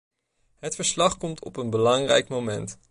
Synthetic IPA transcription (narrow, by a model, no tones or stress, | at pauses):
ɦətfəɹslɑχkɔmtʰɔ̰pənbəlɑŋrɛjkmowmɛnt